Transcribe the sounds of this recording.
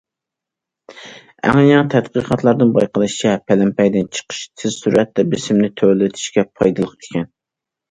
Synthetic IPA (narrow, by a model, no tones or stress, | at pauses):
æ̰ŋɨjɑŋt̪ʰɛt̪qəqʰɑt̪lˠɑɾd̪ɨnbɑjqʰəlˠɨʃt͡ʃʰɛpʰɛlɛmpɛjd̪ɪnt͡ʃʰə̥qʰə̥ʃt̪ʰɪzsuɾɛt̪ːɛbɪsɪmnɪt̪ʰølɪt̪ʰɪ̥ʃkʲɛpʰɑjd̪ɨlˠəqe̥kʲʰɛn